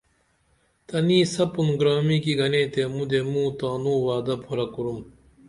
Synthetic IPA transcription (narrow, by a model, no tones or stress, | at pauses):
t̪ɐniːsɐpunɡɾaːmikiɡɐneːt̪emud̪emũːt̪aːnuːwaːd̪ɐpʰoɾɐkuɾum